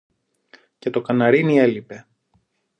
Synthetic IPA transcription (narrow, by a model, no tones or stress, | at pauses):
ce̞t̪o̞kɐnɐɾinie̞lipe̞